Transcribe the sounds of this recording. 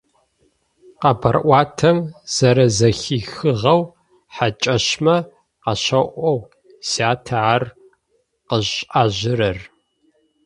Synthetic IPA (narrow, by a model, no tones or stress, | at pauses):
qɐbɐrʔʷɑːtʰɐmz̥ɐɾɐzɐxiːxɨʁɐw | ħat͡ʃʼɐɕmɐ | qɐɕɐʔʷɔw | saːtʰɐar | qəʑʔaːʑɪɾɐr